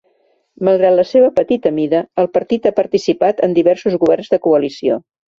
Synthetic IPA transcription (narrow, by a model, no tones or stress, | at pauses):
məlˠɣɾat̪ləseβ̞əpət̪it̪əmiðəːlˠpəɾt̪it̪apəɾt̪isipat̪ənd̪iβɛrsuzɣuβ̞ɛrnzðəkuəlisio̰